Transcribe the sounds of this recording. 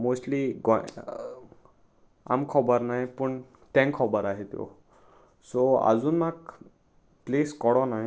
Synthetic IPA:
mosʈliɡɔ | a̰mkʰɔbəɾnajpəɳ | t̪ɛ̃ŋkʰɔbəɾaɦet̪jo̰ | soa̰d͡zuːnmak | pleskɔɽɔna

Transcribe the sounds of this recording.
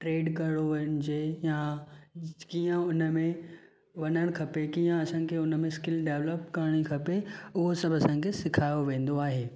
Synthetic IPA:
ʈɾeːɖkɐɽoʋɐnɪ̆d͡ʑeja | kiːə̃ʊnəmẽ | ʋɐnəɽ̃kʰɐpekiːə̃ɐsãkʰeʊnə̆mẽskɪlɖeːʋləpkɐɾɽ̃ikʰɐpeʊɦosɐbʱɐsãːkʰesɪkʰaːjoʋẽːn̆d̪oaːɦeː

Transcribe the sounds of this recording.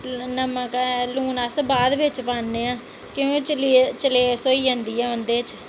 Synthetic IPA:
nəməkluːnaːsəbaːd̪ʋɪt͡ʃpaːnneːãː | kjõːkit͡ʃlt͡ʃəleːsoːiːə̃nd̪iːɛːənd̪eːt͡ʃ

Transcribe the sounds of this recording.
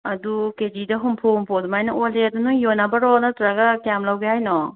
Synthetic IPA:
ɐduked͡ʒidɐɦumpʰohumpʰodumajnɐoledɐnujonabɐɾɔnɐtɾaɡɐkjamlawɡehajnɔ

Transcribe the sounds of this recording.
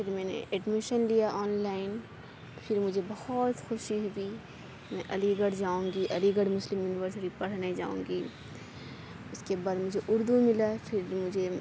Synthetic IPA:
pʰɪɾmɛ̃ːnḛʔɛɖmɪʃənlijaʔɔːnlaːɪn | fʰɪɾmʊd͡ʒʱebɐhɔt̪xʊʃiɦuɡi | mɛ̃ːʔɐliɡəɽd͡ʒaːũːŋɡiʔɐliɡəɽmʊslɪmjuːnɪʋəɾsɪʈipɐɽ̤naid͡ʒa̰ːṵ̃ːŋɡiː | ʊskebaːd̪mʊd͡ʒʱeʔʊɾd̪umɪlapʰɪɾmʊd͡ʒʱe

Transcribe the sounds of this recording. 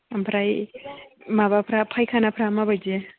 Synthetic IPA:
ampʰɾaj | mabapʰɾapʰajkʰanapʰɾamabajd͡ʒe

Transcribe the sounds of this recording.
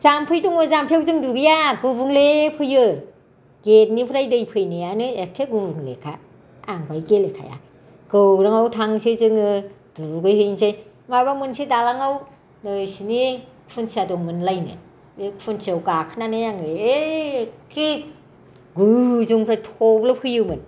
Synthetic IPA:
zampʰɯjduŋɯzampʰewzɯŋduɡɯjaɡubuŋlepʰɯjɯ | ɡ̥et̚nipʰɾajdɯjpʰɯjnɯjanɯekʰːeɡubuŋlḛkʰaː | ŋbajɡelekʰa̰ja̰ | ɡ̥ɯwɾaŋawtʰaŋsizɯŋɯ | d̥uɡɯjhɯjnsej | mabamɯnsidalaŋaw | nɯsinikʰfʰunsʰiadɔŋmɯnlajnɯ̰ | ekfʰunsiawɡakʰɯnanɯjaŋɯe | kʰi | ɡuzuŋpʰɾajtʰɔblɯpʰɯjɯmɯn

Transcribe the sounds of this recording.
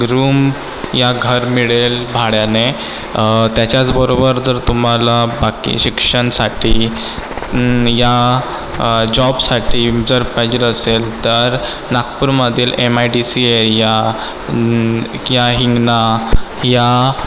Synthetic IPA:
ɡɾuːm | jaɡʱəɾmiɭelbʱaɽjane | t̪jat͡ɕjat͡sbəɾobəɾd͡zəɾt̪um̤alabakḭɕikʂəɳsaʈʰiː | ja | d͡ʑɔbsaʈʰiːd͡zəɾpajd͡ʑiləselt̪əɾ | nakpuɾməd̪ʱiːlemajɖisieɾja | jaɦiŋɡnaja

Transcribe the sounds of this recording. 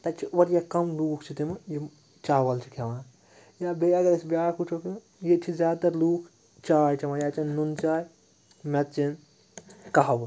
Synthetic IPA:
t̪ɐt͡ʃʰiɐɾjakɐmluːkʰt͡ʃʰit̪imɐje | t͡ʃaːwɐlt͡ʃʰi̥kʰeʋãːn | jabejɐɡɐɾesbjaːkut͡ʃʰoki | jet͡ʃʰizʲaːt̪ɐɾluːkʰ | t͡ʃaːjt͡ʃʰimãjaːt͡ʃinnːunt͡ʃaːj | mɐt̪t͡ʃin | kaɦɐb

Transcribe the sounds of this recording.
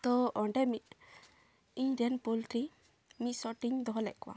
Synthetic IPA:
t̪ɔʔɔɳɖɛmit̪̚ | iɲɖianpulʈɾi | mit̪̚sɔʈiɲd̪ɔɦɔlɛʔkɔwa̰

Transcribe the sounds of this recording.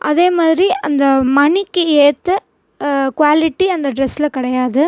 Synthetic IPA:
ʔɐðeːmaːðɪɾiɐnd̪ɐmɐɳɪkːɯeːt̪ːɯ | kʋaːlɪʈːiɐnd̪ɐɖɾɛsːɪlɐkɪɽɐjaːðɯ

